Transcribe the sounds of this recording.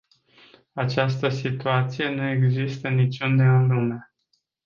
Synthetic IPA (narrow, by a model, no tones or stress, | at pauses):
at͡ʃast̪əsit̪uat̪sije̞nue̞ɡzist̪ənit͡ʃund̪eɨnluma